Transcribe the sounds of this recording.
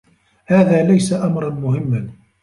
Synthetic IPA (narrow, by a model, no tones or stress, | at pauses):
haːðaːlajsaʔamɾˤɑnmʊhɪmːa